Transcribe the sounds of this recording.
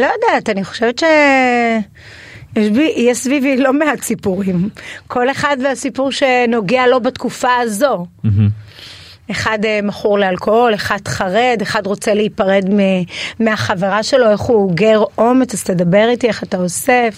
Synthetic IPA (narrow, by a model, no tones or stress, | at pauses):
lojodeataniχo̥ʃevetʃe | jeʃbiʔjɛsvivilo̞meat͡sipuʁimkʰo̞le̞χadveasipuʁʃe̞no̞ɡealo̞batkufaːzo̞ | eχademaχuʁlealkoole̞χad̥χaʁede̞χadʁo̞t͡seleipaʁe̞dmemeaχaveʁaʃe̞lo̞e̞χuoɡeʁo̞met͡saz̥tedabeʁitie̞χatao̞sef